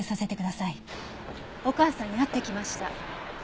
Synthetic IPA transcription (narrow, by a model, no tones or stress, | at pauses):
ɯsase̞t̪e̞kɯd̪asai | o̞kaːsãɲ̟ːinat̪ːe̞kʲimaɕi̥t̪a